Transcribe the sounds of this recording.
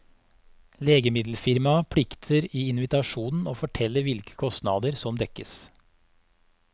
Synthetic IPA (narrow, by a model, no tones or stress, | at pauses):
leːɡəmɪd̪l̩fɪɾmɑpʰɽɪkt̪ʰəɾiːɪnʋɪt̪ɑʃuːnn̩oːfɔʈʰɛlːəɾʋɪlkʰə̥kʰɔst̪nɑ̰d̪əɾsɔmd̪ɛkəs